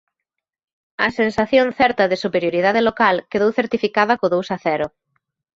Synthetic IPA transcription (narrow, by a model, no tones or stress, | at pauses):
ɐsensaθjoŋθɛɾt̪ɐðɪsupeɾjoɾiðaðɪlokalkeðowθeɾt̪ifikaðɐkoðowsɐθɛɾʊ